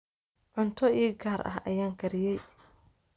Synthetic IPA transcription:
ʕʊnt̪ʰɔiːɡaːɾʔɐ̰ɦɐ̰jaːŋkʰɐɾɪjɛj

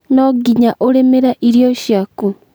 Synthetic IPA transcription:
nɔɡiɲaʔoɾemeɾaʔiɾijɔʃjaku

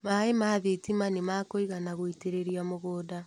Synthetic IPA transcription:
maemaðetimanemakoiɣanaɣoiteɾeɾiamoɣoːda

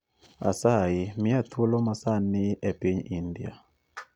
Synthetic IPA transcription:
a̰sajimɪatʰulɔmasanɪɛpeɲindia̰

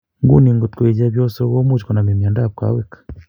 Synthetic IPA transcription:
ŋɡṵniŋɡotkweːɟaβjoːsoɡoːmut͡ʃkonamemjaːndaβka̰ːwekḁ

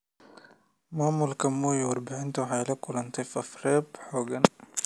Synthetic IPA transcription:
maːmʊlkʰɐmːuːjwɑrbɪʕɪnt̪ʰawɑħɑjlɐkʰʊlɐnt̪ʰɛjfɐfɾɛːbħɔːɡɐn

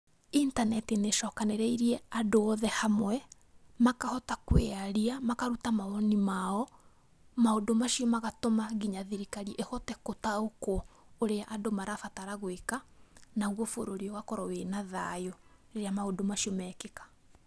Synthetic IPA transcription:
intanɛtineʃɔːkaneɾɛiɾiɛadoɔðɛhamwɛ | makahɔtakweaɾiamakaɾutamaɔnimaɔ | maodomaʃiɔmaɣatomaɣiɲaðiɾikaɾiʔehɔtɛkotaokɔoɾeaʔadomaɾafataɾaɣwekanaɣwɔfoɾoɾiɔwakɔɾɔwenaðajɔɾeɾeamaodomaʃiɔmɛːkekḁ

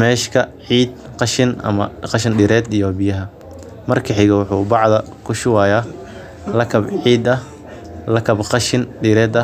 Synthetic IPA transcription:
mɛːʃkʰɐʕiːd̪̚qɑʃɪnʔɐ̰mɐ̰qɑʃɪnɖɪɾɛːd̪ijɔbɪjɐɦɐ | mɐrkʰɐħɪɣɐwʊħuːbɑʕd̪ɐ | kʰʊʃɪwaːjaː | lɐkʰɐbʕiːd̪ɐ | lɐkʰɐbqɑʃɪnɖɪɾɛːd̪ɐ

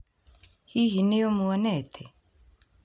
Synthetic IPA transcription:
hiɦinejomuwɔnɛt̪ʰe

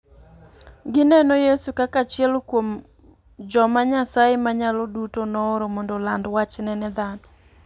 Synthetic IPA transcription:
ɡɪnɛnojesukakat͡ʃɪɛlkwom | d͡ʒɔmaɲasajemaɲalɔdutonɔːɾomɔndɔlandwat͡ʃnɛnɛd̪anɔ

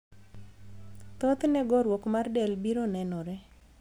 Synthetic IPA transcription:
t̪ɔt̪nɛɡɔɾwokmardɛlbiɾonɛnɔɾɛ

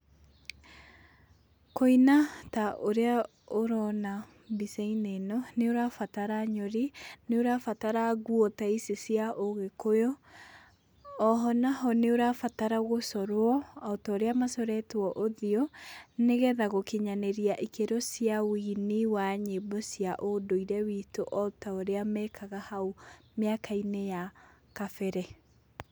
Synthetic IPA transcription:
koinataʔoɾea | oɾɔna | biseinenɔneoɾafataɾaɲoɾineoɾafataɾaɣuɔtaisesiaʔoɣekojɔ | ɔɦɔnaɦɔneoɾafataɾaɣosɔɾwɔɔtɔːɾeamasɔɾɛtwɔʔoðiɔneɣɛðaɣokeɲaneɾiaʔikeɾɔsjawiniwaɲebɔsiaʔodoiɾɛwitoʔɔtaoɾeamɛkʰaɣahaomeakainejakafɛɾɛ

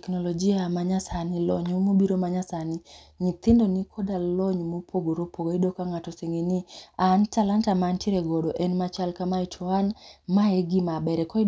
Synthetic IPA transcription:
tɛknɔlɔd͡ʒiamaɲasanɪlɔɲomobiɾomaɲasani | ɲit̪ɪndonikʰɔdalɔɲmopʰoɡoɾopoɡoidokaŋatɔseŋeniantalantamantiɾeɡɔdɔʔɛnmat͡ʃalkamaitʰɔanmaeɡimabɛɾɛkɔ

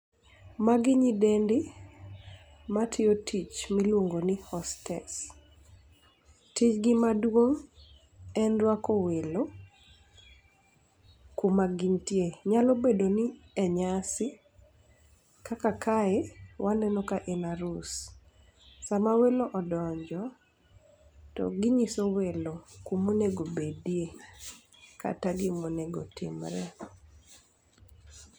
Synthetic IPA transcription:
maɡɪɲidendɪ | matʰɪotʰit͡ʃmilwoŋɡonihɔstɛs | tit͡ʃɡɪmadwoŋ | ɛnɾwakowelo | kumaɡiɲtjeɲalobedonɪɛɲasɪ | kakakʰaewʔanɛnɔkaʔenaɾus | samaweloʔɔdɔɲd͡ʒɔ | tɔ̰ɡiɲisowelokumuneɡobedie | ka̰taɡɪmonɛɡotɪ̰mɾɛ̰

